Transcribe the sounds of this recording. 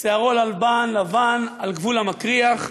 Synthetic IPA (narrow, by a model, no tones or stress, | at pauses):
seaʁolalbanlavanalɡvulamakʁiaχ